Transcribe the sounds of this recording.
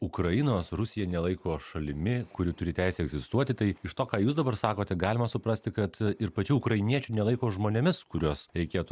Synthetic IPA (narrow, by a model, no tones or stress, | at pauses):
ʊkɾɐɪnoːsrʊsʲɪjɛnʲɛlˠɐɪkoːʃɐlʲɪmʲɪkʊɾʲɪt̪ʊɾʲɪt̪ʲæˑɪsʲɛɛɡzʲɪst̪uɔt̪ʲɪt̪ɐɪɪʃt̪oːkɑːjuːsd̪ɐbɐrsɑːkoːt̪ʲɛɡɑːlʲɪmɐsʊpɾɐsʲt̪ʲɪkɐt̪ɪɾpɐt͡ʃʲuːkɾɐɪnʲiɛt͡ʃʲunʲɛlˠɐɪkoːʒmoːnʲemʲɪskʊɾʲuːsɾʲɛɪkʲeːt̪u